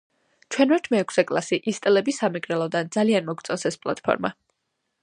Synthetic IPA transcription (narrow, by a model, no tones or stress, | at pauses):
t͡ʃʰwɛnvɛɾt̪ʰmɛːkʰsɛkʼlˠasiʔist̪ʼɛlɛbisamɛɡɾɛlˠɔd̪and̪zalianmɔɡ̚t̪sʼɔnsɛspʼlˠa̰t̪ʼpʰɔ̰ɾma